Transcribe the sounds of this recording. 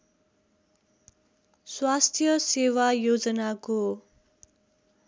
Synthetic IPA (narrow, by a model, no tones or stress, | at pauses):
swast̪ʰjʌsewajod͡zʌnako